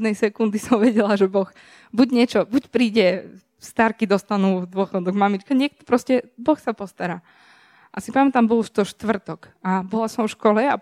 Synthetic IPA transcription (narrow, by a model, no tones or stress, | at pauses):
d̪nɛjsɛkund̪isɔmʋɛɟɛlaʒɛbɔx | buɟɲɪɛt͡ʃɔbucpɾiːɟɛ | st̪aɾkid̪ɔst̪anuːvd̪ʊɔxɔd̪ɔɡmamit͡ʃkaɲɪɛk̚t̪ɔ̥pɾɔscɛbɔxsapɔst̪aɾaː | ʔasipamɛt̪ambɔluʃt̪ɔʃt̪ʋr̩t̪ɔk | abɔlasɔmfʃkɔlɛa